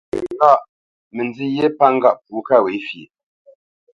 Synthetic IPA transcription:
ŋ˦ɡa˦˨ʔ | mə˨nd͡zi˦je˦pa˦ŋ̩˦ɡa˦ʔpuː˨˦ka˦˨we˨˦fjḛ˨

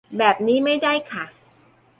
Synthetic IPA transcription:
bɛː˨˩p̚niː˦˥ma˥˩jda˥˩jkʰa˥˩

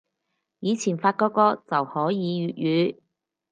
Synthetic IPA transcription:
jiː˨˧t͡sʰiː˨˩nfaː˧t̚kɔː˧kɔː˧t͡sɐ˨whɔː˨˥jiː˨˧ɥyː˨˧t̚jyː˨˧˥

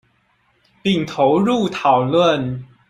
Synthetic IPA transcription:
pi˥˨˩ŋt̪ʰo˧˦ʊɻu˥˨t̪ʰɑ˨˩ʊlwə˥˨n

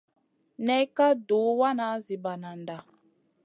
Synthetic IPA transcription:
nɛ˦ka˦du˨˦wa˦na˨˦zi˨ba˨na˨nda˨

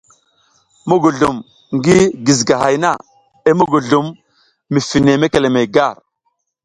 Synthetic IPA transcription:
mu˦ɡu˨ɮu˨m | ŋɡi˦ɡi˨zɡa˨ha˨jna˦˨ | e˦mu˦ɡu˨ɮu˨mː | i˨fi˨ne˨me˦ke˨le˨me˨ɡa˦˨ɾ

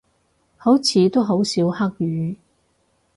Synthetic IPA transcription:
ho˨˥wt͡sʰiː˨˧t̪o˥wɦo˨˥wsiː˨˥wha˥k̚jyː˨˥

